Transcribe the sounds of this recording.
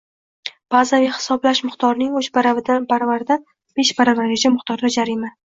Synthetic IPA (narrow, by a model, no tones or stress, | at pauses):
b̥azaviχɪ̥sɒblaʃmʊχt̪ʰɒɾnɪŋoʃbaɾavɪd̪anpʰaɾvaɾd̪an | b̥eʃbaɾavaɾed͡ʒamʊχt̪ʰɒɾd̪ad͡ʒaɾima